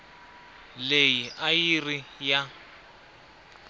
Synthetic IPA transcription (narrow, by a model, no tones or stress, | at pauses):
lejiʔajirija